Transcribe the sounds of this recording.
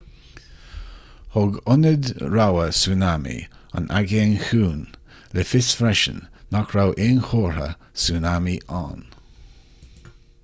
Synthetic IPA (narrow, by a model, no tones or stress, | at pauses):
hʊɡʊnəd̪ɹawəsuːnamḭa̰nʔa̰ɡeːnxuːn | lɛfɪsfɾɛʃə̰nːakʰɹawʔɪːnxoːɹhə̰ | sunamiʔa̰ːn